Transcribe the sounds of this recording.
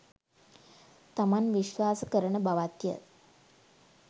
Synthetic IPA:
t̪əmanʋiɕʋaskəɾɳəbʱaʋat̪jə̰

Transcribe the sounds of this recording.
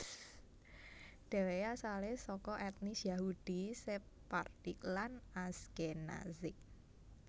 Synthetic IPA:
ɖ̥ɛ̤wejasalesɔkɔʔɛt̪̚nisjaɦud̥i̤se | part̪iklanaskena̰zɪk̚

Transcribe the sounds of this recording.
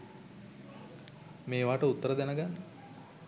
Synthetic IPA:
meːʋaːʈəut̪ːəɾəd̪ænəɡanːə

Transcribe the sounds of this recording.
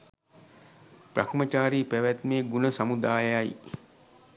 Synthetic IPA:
pra̰kmət͡ʃaːɾiːpæʋæt̪meːɡunəsamud̪aːjaj

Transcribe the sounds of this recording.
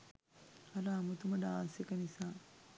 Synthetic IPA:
ɐɾɐamut̪uməɖaːsekənisaː

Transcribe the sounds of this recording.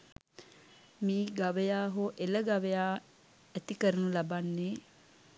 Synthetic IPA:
miːɡaʋəjaːɦoʔeləɡaʋejaː | æt̪ikəɾənulabanːeː

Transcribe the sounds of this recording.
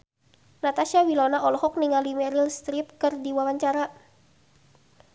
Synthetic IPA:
nat̪asiawilɔnaʔɔlɔhɔk̚niŋalimɛɾilst̪ɾip̚kɨrdiwawaɲt͡ʃaɾa

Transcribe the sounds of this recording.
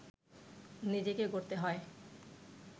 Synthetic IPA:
nid͡ʑekeɡoɾt̪eɦɔe

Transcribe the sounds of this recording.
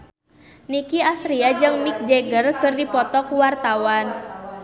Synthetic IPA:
nikiasɾiad͡ʒɨŋmik̚d͡ʒeɡərkɨrdipɔt̪ɔkuwart̪awan

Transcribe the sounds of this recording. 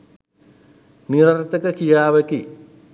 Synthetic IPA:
niɾɐrt̪ɐkɐkijaːʋɐki

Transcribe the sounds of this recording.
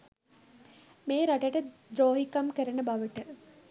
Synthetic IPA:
meːɾaʈəʈəd̪ɾoːɦikɐmkəɾɐnəbɐʋəʈə

